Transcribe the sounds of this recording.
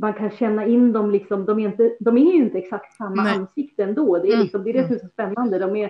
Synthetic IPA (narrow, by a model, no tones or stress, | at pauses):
mankʰanɕɛnːaɪnːd̪ɔmlɪksɔmd̪ɔmæɾɪnt̪əd̪ɔmɛɾɵɪnt̪əɛksakt̪samːaanːsɪkt̪əɛnd̪oːd̪ɛæɾlɪksɔmd̪ɛːd̪ɛːsɔmɛsɔspɛnːand̪əd̪ɔmæɾ